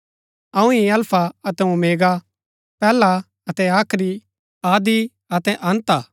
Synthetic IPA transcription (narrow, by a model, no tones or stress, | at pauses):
ɐũiɐlpʰaɐt̪ɛũmeːɡa | pɛːla | ɐt̪ɛaːkʰɾi | aːd̪i | ɐt̪ɛʔɐ̃nt̪aː